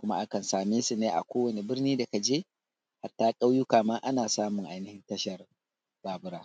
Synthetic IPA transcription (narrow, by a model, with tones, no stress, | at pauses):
kʷʊ˦ma̰˦ʔa˦kɐ˨nsaː˨meː˦su˨neː˦ʔa̰˨kʷoː˦wɐ˨ni˨bɪ˦rniː˦da˨ka˨d͡ʒeː˦ | ha˨tːaː˦kʼa˦wjʊ˦kaː˨maː˦ʔa˦naː˨saː˦mʊ˨ŋʔa˨jnɪ˦hɪ˦ntɐ˦ʃɐ˨r | b̥aː˨bʊ˦ɾaː˦